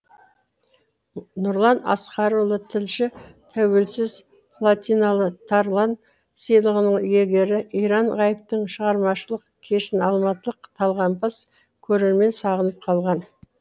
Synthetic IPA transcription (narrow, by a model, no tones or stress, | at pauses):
nʊɾlˠɑnɑ̰sqɑɾulˠət̪ʰɪlʃɪt̪ʰæwe̞lsɪz | pʰlˠat̪ʲijnalˠət̪ʰɑɾlˠɑn | səjlˠəʁənəɴʏje̞ɡʲe̞ɾɪʔijɾɑɴʁɑjəp̚t̪əɴʃəʁɑɾmɑʃəlˠəqkʲʰe̞ʃɪnɑlˠmɑt̪əlˠəqt̪ʰɑlˠʁɑmpɑs | kʲʰɵɾe̞ɾme̞nsɑʁənəp̚qʰɑlˠʁɑn